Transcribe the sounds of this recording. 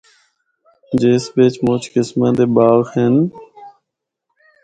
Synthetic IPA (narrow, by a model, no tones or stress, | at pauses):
d͡ʒeːsbeːt͡ʃmoːt͡ʃkɪsmãːd̪eːbaːxen